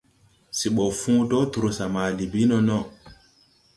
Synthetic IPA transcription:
si˨ɓɔ˨fũ˦tɔ˦tu˨ɾo˨sa˨ma˨li˨bi˦nɔ˦nɔ˦˨

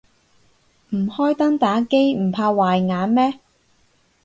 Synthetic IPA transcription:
m̩˨˩hɔː˥jt̪ɐ˥ŋt̪aː˨˥ke˥jm̩˨˩pʰaː˧waː˨˩jŋaː˨˥nmɛː˥

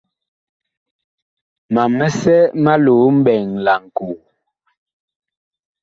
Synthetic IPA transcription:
ma˨mɛ˦sɛ˦ma˦lo˨m̩˦bɛ˨ŋla˨ŋ̩˨ko˨

